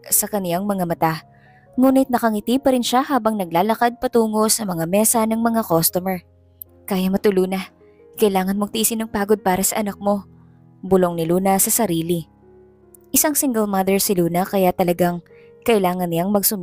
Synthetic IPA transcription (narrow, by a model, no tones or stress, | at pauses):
sɐkɐnɪjaŋmɐŋamɐt̪a | ŋuːnɪt̪̚nɐkɐŋɪt̪ipɐɾɪnʃahaːbɐŋnɐɡ̚laːlɐkad̪̚pɐt̪uːŋo̞sɐmɐŋamɛːsɐnɐŋmɐŋakost̪omɛɹ | kaːjɐmɐt̪ʊluːnɐ | kɐʔɪlaːŋɐnmɐɡ̚t̪ɪʔisɪnɐŋpaːɡo̞d̪̚paːɾɐsɐʔɐnɐk̚mo̞ | bʊlo̞ŋnɪluːnɐsɐsɐɾiːlɪ | ʔɪsɐŋsɪŋɡɛlmɐd̪ɛɹsɪluːnɐkɐjat̪ɐlɐɡaŋ | kɐʔɪlaːŋɐnɪjaŋmɐɡsʊm